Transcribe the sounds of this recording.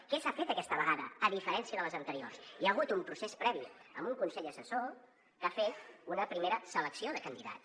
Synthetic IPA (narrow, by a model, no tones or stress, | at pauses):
kɛsafet̪əkɛst̪əβ̞əɣ̞aðə̰ːðifəɾɛnsiəðələzənt̪əɾio̰rsiəɣut̪umpɾusespɾɛβiə̰mbuŋkunsɛʎəsəso | kafet̪unəpɾimeɾəsələksioðəkənd̪iða̰t̪